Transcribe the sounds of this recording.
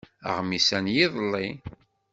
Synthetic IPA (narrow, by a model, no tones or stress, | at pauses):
ə̰ʁmisænjiðˤlːi